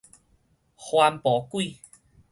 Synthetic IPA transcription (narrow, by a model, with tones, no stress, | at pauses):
xwa˧mpɔ˨˦kwi˥˧˨